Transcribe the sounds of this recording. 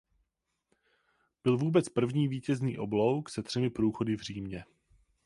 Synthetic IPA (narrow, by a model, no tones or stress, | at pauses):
b̥ɪlvuːbɛt͡spr̩vɲiːviːcɛzniːʔo̞blo̞wksɛt̪r̥ɛmɪpɾuːxo̞dɪvr̝iːmɲɛ